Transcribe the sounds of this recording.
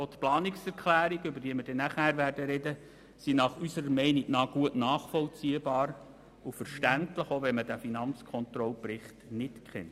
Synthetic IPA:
ot̪plɑːniksɛɾkʰlæːɾiɡʏbəɾdiːməɾdɛnæχhæːɾʋæːrd̥əɾɛdə | sinɑχysəɾəmɛɪniɡnɑːɡ̥uətnɑːχfɔlt͡siəbɑːɾ | ufəɾʃtæntləχoʋɛnmədæfinɑnt͡skʰɔnt̪ɾɔlpɾɪχtnɪtkχɛ̰nt

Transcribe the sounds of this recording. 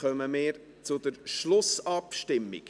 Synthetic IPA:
œməmɪːɾ | t͡sʊd̪əɾʃlʊsɑpʃtɪmːḭk

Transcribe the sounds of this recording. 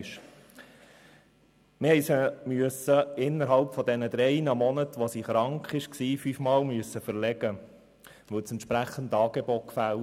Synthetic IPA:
ʃ | mɪhɛɪsəmyəsəɪnːəɾɦɑlpfɔd̪ɛnəd̥̪ɾɛɪnəmɔnətʋosiːχɾɑŋkχɪʃksiːfyfmɑːlmyəsːəfəɾlɛɡ̥ə | ʋɵwt͡sɛnt̪ʃpɾæχənd̪ɑːɡ̥ebot̚kfæl

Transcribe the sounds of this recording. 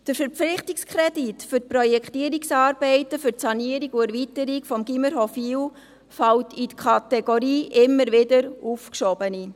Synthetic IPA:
d̥əɾfəɾflɪχtikskʰɾɛditfʏɾtprɔjɛkχtiːəɾiksɑːɾbɛɪtəfʏtsɑniəɾiɡuæɾvitəɾikfɔmɡiməɾɦɔfiw | fɑwtitkʰɑtɛɡoɾiːʔɪmːəɾvɪdəɾuːfkʃɔbəni

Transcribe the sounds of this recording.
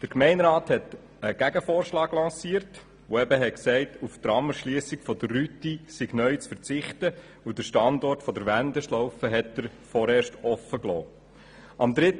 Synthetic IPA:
d̥əɾkmɛɪnɾɑːthɛt | əɡ̥æɡəfoːɾʃlɑːɡlɑ̃ːsiːəɾt | oɛbəɦɛksɛɪtuft̪ɾɑməɾʃliəsikfɔd̪ərːytisɪɡnœʏt͡sfəɾt͡sɪχtə | ud̥əɾʃtɑndɔrtfɔd̪əɾʋænd̪əʃlɔʊfəɦɛt̚ːəɾfɔɾeːʃtɔfəklɔː | ʔɑmd̪ɾɪt

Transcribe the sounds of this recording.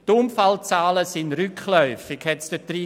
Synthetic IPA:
tʊmfalt͡saːləsɪnryklœʏfɪkhɛtsd̥ətri

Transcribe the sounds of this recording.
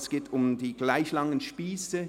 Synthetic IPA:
sɡ̥eːtʰʊmdiːɡ̥laɪçlɑŋənʃpiːsə

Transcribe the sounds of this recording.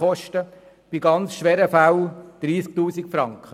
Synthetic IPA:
ɔʃtə | b̥iɡɑnt͡sʃʋɛːɾəfæwd̥ɾiːsk̚t̪uːsikfɾɑŋkχə

